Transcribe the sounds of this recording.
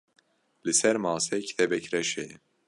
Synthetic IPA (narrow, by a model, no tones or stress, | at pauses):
lɨsɛɾmɑːsɛcʰi̥t̪ʰɛbɛcɾɛʃej